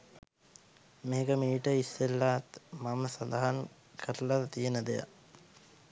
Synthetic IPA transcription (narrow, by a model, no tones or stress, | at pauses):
meːkəmiːʈəisːelːaːt̪maməsand̪aɦan | kʰəɾlat̪ijənəd̪eja̰